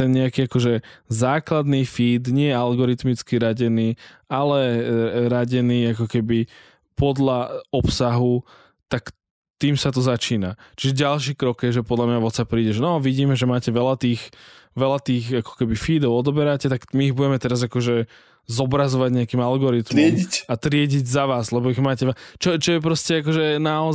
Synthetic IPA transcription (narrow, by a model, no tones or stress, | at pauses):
t̪ɛnɲɛakiːakɔʒɛzaːklad̪niːfiːd̪ɲɪɛɛalɡɔɾit̪mit͡skiɾaɟɛniːalɛɾaɟɛniːakɔkɛbi | pɔd̪laɔpsaɦu | t̪ak | t̪iːmsat̪ɔzat͡ʃiːnat͡ʃiʒɛɟalʃiːkɾɔkjɛʒɛpɔd̪lamɲaʋɔt̪t͡sapɾiːɟɛʒɛnɔʋiɟiːmɛʒɛmaːcɛʋɛlat̪iːxʋɛlat̪iːɣakɔ̥kɛbifiːd̪ɔʊɔd̪ɔbɛɾacɛt̪akmiːɣbuɟɛmɛt̪ɛɾazakɔʒɛ | zɔbɾazɔʋaɟɲɛakiːmalɡɔɾit̪mɪɛicat̪ɾɪɛɟiɟzaʋaːzlɛbɔiɣmaːcɛt͡ʃɔt͡ʃɔjɛp̬ɾɔscɛak̬ɔʒɛnaɔ